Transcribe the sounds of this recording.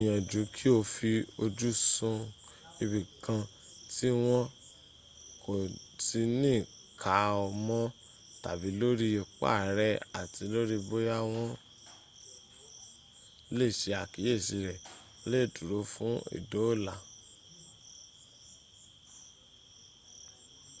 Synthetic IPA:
j̃ã˨d͡ʒu˨˦kʰi˦o˧fi˧o˧d͡ʒu˦sũ˧ | i˧bi˨kʰã˧ | ti˦w̃ɔ̃˦ | kʰo˨ | ti˧nĩː˦˨ | kʰa˨˦ɔ˧mɔ̃˦ | ta̰˨bi˨˦lo˦ɾi˦jo˨k͡pa̰˦˨ɾɛ˦a˨ti˧˦lo˦ɾi˦bo˦ja˦w̃ɔ̃˦ | le˦˨ʃe˧a˨ki˨je˦˨ʃi˧ɾɛ˨˧ | le˦˨tu˨ɾo˨˦fũ˦ḭ˦˨do˨˦˨la˨

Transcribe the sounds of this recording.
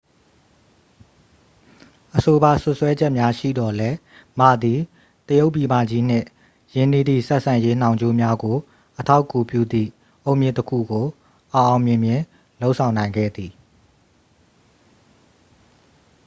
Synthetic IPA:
ʔəso˨ba˨sʊ˦ʔswɛ˦d͡ʑɛ˦ʔmja˦ʃḭ˦˨d̪ɔ˨lɛ˦ma˦˨d̪i˨ | t̪əjo˦ʊʔpːi˨ma̰˦˨d͡ʑi˦n̥ɪ̰̃˦˨ | jɪ̃˦˨ni˦˨d̪ḭ˦˨sɛ˦ʔsʰã˨je˦n̥ã˨ʊ̃ɲd͡ʑo˦mja˦ɡo˨ | ʔətʰa˦ʊkːu˨pjṵ˦˨d̪ðḭ˦˨ | ʔo˦ʊ̃mjɪ̰̃˦˨təkʰṵ˦˨ɡo˨ | ʔa˨ʔã˨ʊ̃mjɪ̃˨mjɪ̃˨ | lo˦ʊʔsʰã˨ʊ̃nã˨ɪ̃ŋɡɛ̰˦˨d̪i˨

